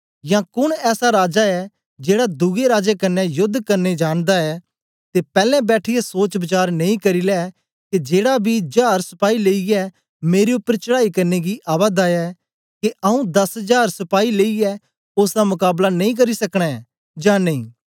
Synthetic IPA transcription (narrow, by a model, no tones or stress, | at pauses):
jãkʊɽ̃ɛːsaɾaːd͡ʒaɛ | d͡ʒeːɽad̪ʊɡeɾaːd͡ʒekɐnːɛjʊd̪ʱkɐɾned͡ʒaːɽ̃d̪aɛː | t̪epɛːlɛ̃bɛːʈʰɪjɛsoːt͡ʃbɐt͡ʃaːɾnɐ̃ĩkɐɾilɛ | ked͡ʒeːɽabʱid͡ʒaːɾsɐ̥paːileːijɛ | meːɾeʊpːəɾt͡ʃɐɽaːikɐɾneɡiʔaːβaːd̪aɛ | keʔɐũd̪ɐsɦəd͡ʒaːɾsɐpaːileːiɛ | oːsd̪amʊkaːblanɐ̃ĩk̬ɐɾisɐkɽ̃ɛ | d͡ʒãnɐĩː